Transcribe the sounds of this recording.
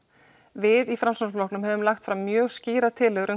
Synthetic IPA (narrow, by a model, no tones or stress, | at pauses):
vɪðifɾamsɔnsflɔwknʏmɦɛvʏmlaxt̪fɾamːjœːɣsciːɾat̪ʰɪːlɛɣɾʏ